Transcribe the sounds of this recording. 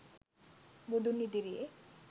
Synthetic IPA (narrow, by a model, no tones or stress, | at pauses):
mud̪unːid̪iɾie